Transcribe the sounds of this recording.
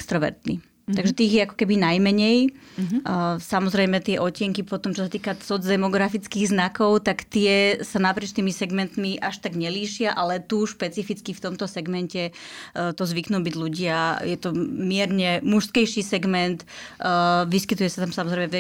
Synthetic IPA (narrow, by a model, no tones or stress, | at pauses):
ɛkst̪ɾɔʋɛ̰ɾt̪nḭ | aɡʒɛt̪iːɣjɛakɔ̥kɛbinajmɛɲɛj | samɔzɾɛjmɛt̪ɪɛʔɔcɪɛŋkipɔt̪ɔmt͡ʃɔsat̪iːkat͡sɔd͡zd̪ɛmɔɡɾafit͡skiːɣznakɔʊt̪akt̪ɪɛsanapɾɪɛt͡ʃt̪iːmisɛɡmɛnt̪miʔaʃt̪aɡɲɛliːʃɪaʔalɛt̪uʃpɛt͡sifit͡skift̪ɔmt̪ɔsɛɡmɛncɛt̪ɔzʋiknuːbiɟluɟɪajɛt̪ɔmɪɛɾɲɛmuʃskɛjʃisɛɡmɛnt̪ː | ʋiskit̪ujɛsat̪amsamɔzɾɛjmɛɛ